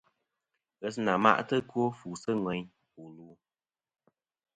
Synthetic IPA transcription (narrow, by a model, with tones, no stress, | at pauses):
ɣɛ˨s̬na˨ma̰˦ʔtɨ˦kwo˦fu˨sə˦ŋwɛ˨ɲ | u˨luː˨˦